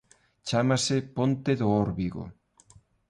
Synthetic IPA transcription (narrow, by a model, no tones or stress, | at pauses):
t͡ʃamasepont̪eðoɔɾβiɣo̰